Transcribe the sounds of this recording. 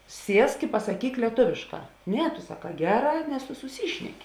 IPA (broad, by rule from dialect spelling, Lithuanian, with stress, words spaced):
ˈsʲiɛsk ɪ pɐsɐˈkʲiːk lʲiɛˈtoːʋʲeːʃˌkɑː ˈnʲɛ tʊ sɐˈkɑː ˈɡʲæːˌrɑː nʲɛs tʊ sʊˈsʲiːʃʲnʲɛkʲɪ